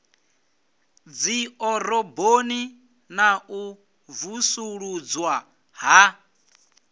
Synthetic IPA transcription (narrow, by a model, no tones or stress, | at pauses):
d͡ziɔɾɔboni | nau | vusuɺud͡zwa | ɦa